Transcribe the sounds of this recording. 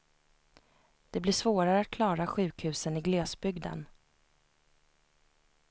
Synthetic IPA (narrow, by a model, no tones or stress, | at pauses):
d̪̥ɛblɪʂvoːɾaɾəat̪̚kʰlɑːɾaɧʉ̟ːkhʉ̟ːsənɪɡlɛːsbʏɡd̪ə̰n